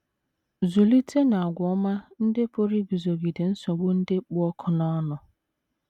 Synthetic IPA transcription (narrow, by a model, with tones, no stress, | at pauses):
zu˨li˦tʰe˦na˨a˨ɡʷɔ˦ma˦n̩˦dɪ˦po˦ɾi˦bi˨zo˨ɡi˨dɪ˨n̩˦sɔ˨ɡ͡bʊ˦n̩˦dɪ˦k͡pʊ˦ɔ˦kʰʊ˦na˦nʊ˨